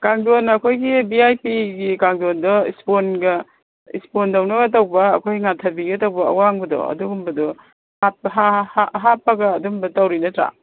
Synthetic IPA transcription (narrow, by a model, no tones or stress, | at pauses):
kaŋdonɐkʰojɡibiajpiɡikaŋdondɔḭsponɡɐ | ḭspondɐwnɐɡɐtɐwbɐːkʰojŋatʰɐbiɡɐtɐwbɐɐ̰waŋbɐdɔ̰ɐ̰duɡumbɐdɔ | hapɦahɦapːɐɡɐːdumbɐtɐwɾinɐtɾa̰